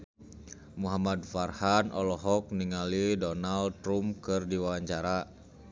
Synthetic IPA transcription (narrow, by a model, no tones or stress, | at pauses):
muɦamadfarhanʔɔlɔɦɔk̚niŋalidɔnald̪̚ɾumkɨrdiwawaɲt͡ʃaɾa